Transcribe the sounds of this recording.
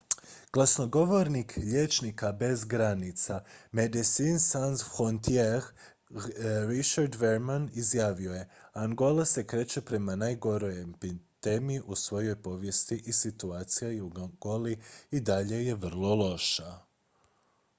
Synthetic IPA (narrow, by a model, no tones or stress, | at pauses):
ɡ̥lˠasno̞ɡo̞ʋo̞ɾnikʎe̞ːt͡ʃnikabe̞zɡɾanit̪samed̪isinsansxont̪jex | ɾit͡ʃaɾd̪ʋeɾmanizjaːʋio̞je̞aŋɡo̞lase̞kɾe̞ːt͡ʃe̞pɾe̞manaːjɡo̞ɾo̞jempit̪emiiʔusʋo̞jo̞jpo̞ʋje̞st̪iʔisit̪uaːt̪sijajuɡ̥o̞liid̪aʎe̞je̞ʋr̩lˠo̞lˠo̞ʃa